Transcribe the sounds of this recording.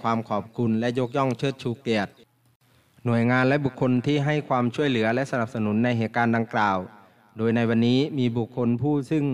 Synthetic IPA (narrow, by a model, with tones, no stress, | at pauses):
kʰwaː˧mkʰɔː˨˩p̚kʰu˧nlɛ˦˥ʔjo˦˥k̚jɔ˥˩ŋt͡ɕʰɤː˧˥˩t̪̚t͡ɕʰuː˧˩kliː˨˩ət̪̚ | nu˨˩əjŋaː˧nlɛ˦˥bu˨˩kʰːo˧nt̪ʰiː˥˩ɦa˥˩jkʰwaː˧mt͡ɕʰu˧˥˩əjlɯ˩˦ɐlɛ˦˥ʔsa˧na˨˧˩p̚sa˧nu˩˦nːa˧jɦeː˨˩t̪̚kaː˧nda˧ŋklaː˨˩w | doː˧jna˧jwa˧nːiː˦˥miː˧bu˨˩kʰːo˧npʰuː˥˩sɯ˧˥˩ŋ